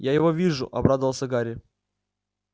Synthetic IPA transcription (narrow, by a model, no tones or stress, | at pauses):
jajɪvovʲiʐʊ̰ʔɐ̰bɾad̪əvəlˠsʲəɡaɾʲɪ